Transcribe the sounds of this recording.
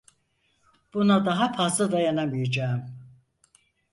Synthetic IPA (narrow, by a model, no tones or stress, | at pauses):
b̥unad̪aɦapʰasɯd̪ajanamijed͡ʒaːm